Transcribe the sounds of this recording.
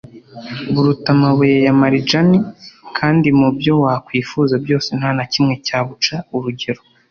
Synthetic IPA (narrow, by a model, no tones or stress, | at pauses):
βuɾutamaβujejamaɾid͡ʒanikʰaːndimubjo̞wakwiːfuzabjo̞ːse̞n̥hanacimŋe̞caːβut͡ʃauɾuɟe̞ɾo